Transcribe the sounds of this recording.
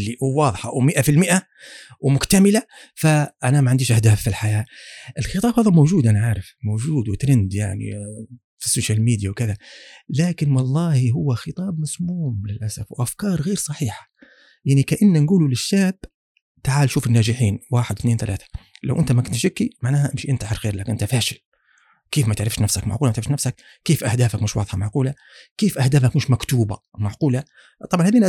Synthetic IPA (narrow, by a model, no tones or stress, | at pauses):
lːiwwɑːðˤħɑwmɪʔafɪlmɪʔa | wmʊkt̪amɪlafaʔanamaʕɪnd̪iːʃʔahd̪aːfːilħajaːʔɪlxɨt̪ˤɑːbhaːðmowʒuːd̪ʔanaʕaːɾɪfmoːʒuːd̪wɪt̪ɾɪnd̪ja̰ʕnḭ | fi̥sːoːʃaːlmiːd̪jawkɪðalaːkɪnwɑlˤːɑːhiɦʊwːaxɨt̪ˤɑːbmɑsˤmuːmlɪlʔasafwʔafkɑːɾˤɣeːɾsˤɑħiːħḁ | jaʕnikaʔanːanɡuːlulɪʃːaːb̥ | t̪aʕaːlʃuːfɪnːaːʒɪħiːnwaːħɪd̪θneːnθalaːθḁla̰wʔɪnt̪amakʊnt̪ʃɪkːimaʕnaːhaʔɪmʃiʔɪnt̪aħɪɾxeːɾlaːkɪnʔɪnt̪afaːʃɪl | keːfmat̪ɪʕɾɪfʃnafsakma̰ʕquːlmæt̪eʕɾɪfʃnafsak | keːfʔahd̪aːfakmɪʃwɑ̰ːðˤħɑmaʕquːla | keːfʔahd̪aːfakmɪʃmakt̪uːbamaʕquːla | t̪ˤɑbʕɑnhaːðiːn